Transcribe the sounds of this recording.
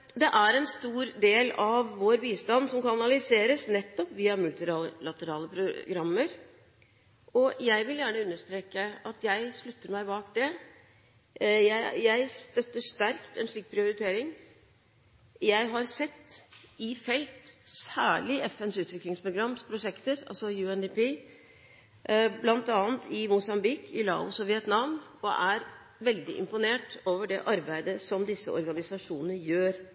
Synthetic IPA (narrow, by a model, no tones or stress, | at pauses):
d̪ɛʔæɾɛnst̪uːɾd̪eːlɑʋːoːɾbiːst̪ɑnd̪sɔmkɑnɑlɪseːɾəsnɛt̪ːɔpʋiːɑmʉlt̪ɪlɑlɑt̪əɾɑːləpʰɾʊɡɾɑmːəɾ | ɔjæɪʋɪljæːɳəʉnːəʂt̪ɾeːkəɑt̪jæɪʂɭʉt̪ːəɾmæɪbɑːkd̪ɛ | jæɪjæɪst̪œt̪ːəʂt̪æɾkt̪ɛnʂɭiːk̚pʰɾɪʊɾɪt̪ʰeːɾɪŋ | jæɪɦɑɾsɛt̪ːɪfɛlt̪sæːɭɪʔɛfɛnsʉːt̪ʋɪklɪŋspʰɾʊɡɾɑmːspʰɾʊʂɛkt̪əɾɑ̰lsɔjʉːɛnd̪ɪpiː | blɑnt̪ɑːnt̪ʰɪmʊsɑmbɪkʰɪlɑ̰ːʊ̰sɔʋɪɛt̪nɑʋnɔʔæɾ | ʋɛld̪ɪ̰ʔɪ̰mpʊneːʈoːʋəɖɛʔɑɾbæɪd̪əsɔmd̪ɪsːə̰ɔ̰ɾɡɑnɪsɑʂuːnənəjøːɾ